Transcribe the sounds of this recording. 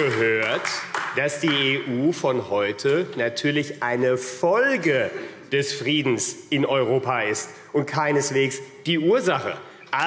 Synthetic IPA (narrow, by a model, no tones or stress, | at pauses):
əɦøːɐtd̥asd̥iːeːʔuːfɔnhɔʏtʰənatʰyːɐlɪçʔaɪnəfɔlɡəd̥ɛsfʁ̥iːdn̩sʔɪnɔʏʁ̞oːpaɪst | ʔʊnt̚kʰaɪnəsv̥eːksd̥iːʔuːɐzaχə̰ | ʔa